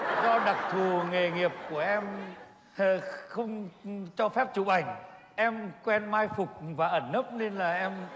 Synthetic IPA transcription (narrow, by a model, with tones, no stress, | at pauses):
zɔ˧ɗa˨˩k̚t̪ʰu˨˩ŋe˨˩ŋi˨˩əp̚ku˧˩əʔɛ˧m | xə˧wŋ͡mt͡ɕɔ˧fɛ˦˥p̚t͡ɕu˧˩ʔa˨˩jŋ̟ | ʔɛ˧mkwɛ˧nmaː˧jfʊ˨˩k͡p̚vaː˨˩ʔə˧˩nːə˦˥p̚ne˧nlaː˨˩ʔɛ˧m